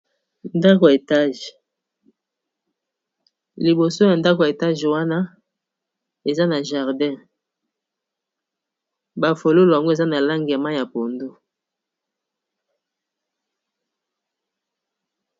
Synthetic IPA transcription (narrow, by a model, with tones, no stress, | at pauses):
nda˦ko˨e˨ta˦ʒ | li˨bo˨so˦ja˨nda˦ko˨e˨ta˦ʒwa˦na˦ | e˨za˦na˨ʒa˨ʁdɛ̃˦˨ | ba˨fo˨lo˦lo˨ja˨ŋɡo˦e˨za˦na˨la˦ŋɡa˨ma˦ja˨po˨ndo˦